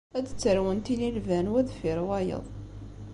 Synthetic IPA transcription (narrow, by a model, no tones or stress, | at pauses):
æd̪ət͡sːəɾwənt̪ililvænwæðfɪɾwɑjə̰ðˤ